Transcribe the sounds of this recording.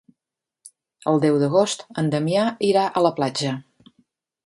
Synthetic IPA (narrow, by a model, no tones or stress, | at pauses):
əlˠd̪ɛwðəɣ̞ost̪ənd̪əmiaiɾaʔələplad͡ʒə